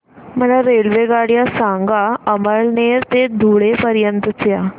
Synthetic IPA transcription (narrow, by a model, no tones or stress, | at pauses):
m̤əɽaɾelʋeɡaɽjasaŋɡaəməɭneɾt̪ed̪ʱuɭepəɾjənt̪ət͡sja